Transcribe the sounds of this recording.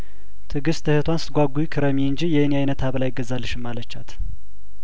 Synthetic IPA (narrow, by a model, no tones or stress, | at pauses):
t̪ʰɨɡɨst̪ʰːɨhɨt̪ʰwansɨt̪̚ɡʷaɡujikʰɨɾəmiɨnd͡ʒijɛɨniajnət̪ʰaβəlajɪɡəzːalːɨʃɨmːalət͡ʃːat̪